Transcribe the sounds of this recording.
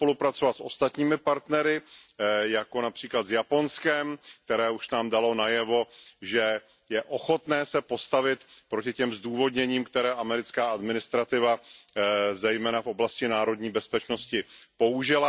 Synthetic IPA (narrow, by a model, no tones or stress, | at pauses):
po̞lupɾat͡sovat̪sʔo̞̰st̪at̪ɲiːmɪpaɾt̪nɛɾɪ | jako̞napr̥iːklad̪vjapo̞nskɛmk̚t̪ɛɾɛːuʃnaːmdalo̞najɛvo̞ʒɛ | jɛʔo̞xo̞t̪nɛːsɛpo̞st̪avɪt̪pɾocɪcɛmzduːvo̞dɲɛɲiːmkt̪ɛɾɛːʔamɛɾɪt͡skaːadmɪnɪst̪ɾat̪ɪva | zɛjmɛːnafʔo̞blascɪnaːɾo̞dɲiːbɛspɛt͡ʃno̞scɪpo̞uʒɪla